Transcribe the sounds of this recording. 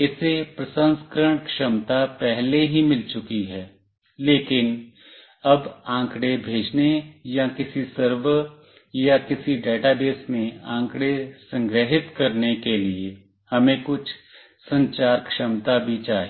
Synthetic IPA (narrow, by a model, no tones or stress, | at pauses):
ɪsepɾəsə̃nskɾəɽ̃kʃəmt̪apɛɦleɦimɪlt͡ʃʊkiɦɛː | leːkɪn | ɐbãːkɽebʱeːd͡ʒnejakɪsisəɾwə | jakɪsiɖeːʈabeːsmẽãːŋkɽesɐ̃ŋɡɾəɦɪt̪kɐɾnekelie | hɐmẽkʊt͡ʃʰ | sɐ̃ɲt͡ʃaːɾkʃəmt̪abʱit͡ʃaːɦe